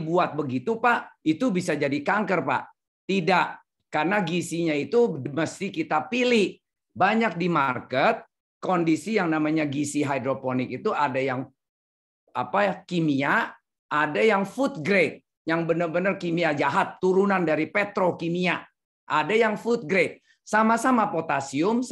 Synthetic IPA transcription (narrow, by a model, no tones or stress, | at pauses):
buat̪̚bəɡit̪upaʔit̪ubisad͡ʒadikaŋkərpa̰ʔ | t̪idaʔ | karnaɡisiɲait̪uməst̪ikit̪apilɪh | baɲak̚dimarkət̪̚ | kondisijaŋnamaɲaɡisiɦajdɾoponɪk̚it̪uadajaŋ | apakimia | ʔːdajaŋfut̪̚ɡɾet̪̚ | jaŋbənərbənərkimiad͡ʒaɦat̪ːuɾunandaɾipet̪ɾokimia | ʔadajaŋfut̪̚ɡɾet̪̚ | samasamapot̪asiʊms